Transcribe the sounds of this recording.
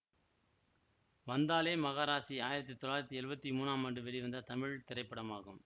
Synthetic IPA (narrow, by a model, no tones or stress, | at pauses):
ʋɐnd̪aːleːmɐɣaːɾaːsiaːjɪɾɐt̪̬ːit̪ːɔɭaːjɪɾɐt̪ːiɛɾɯbɐt̪ːimuːnaːmɐːɳɖɯʋɛɭiʋɐnd̪ɐt̪ɐmɪɻt̪ɪɾɐɪpːɐɽɐmaːɣɯm